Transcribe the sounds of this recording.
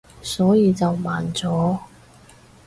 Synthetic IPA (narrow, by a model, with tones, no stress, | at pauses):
sɔː˨˥jiː˧t͡sɐ˨wmaː˨nt͡sɔː˨˥